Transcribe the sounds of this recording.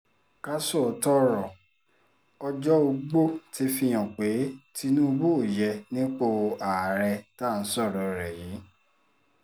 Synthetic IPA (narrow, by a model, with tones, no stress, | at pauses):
ka˦sɔ˦˨tɔ˦ɾɔ˨ | ɔ˧d͡ʒɔ˦o˧ɡ͡bo˦ti˨˦fi˧j̃ã˨k͡pe˨˦ti˧nũ˦o˧bo˦o˨jɛ˧nĩ˦k͡po˧a˨ɾɛ˧ta˦˨n̩˨˦sɔ˦˨ɾɔ˨ɾɛ˨jiː˨˦